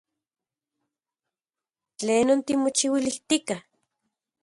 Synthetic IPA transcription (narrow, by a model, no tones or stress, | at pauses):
t͡ɬeːnont̪imot͡ʃiwiliht̪ikah